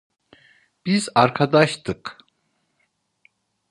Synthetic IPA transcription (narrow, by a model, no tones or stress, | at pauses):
b̥izaɾkʰad̪aʃt̪ʰɯk